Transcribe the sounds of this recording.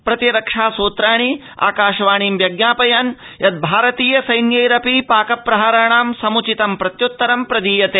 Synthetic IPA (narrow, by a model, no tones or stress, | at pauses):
pɾɐt̪iɾɐkʂaːsoːt̪ɾaːɳ̃i | a̰ːkaːʃɐʋaːɳiːmʋjɐɡnaːpɐjaːn | jɐd̪̚bʱaːɾɐt̪iːjɐsɐjnjɐjɾɐpipaːkɐpːɾɐɦaɾɐɳaːmsɐmut͡ʃit̪ɐmpɾɐt̪jut̪ːɐɾɐmpɾɐd̪iːjɐt̪eː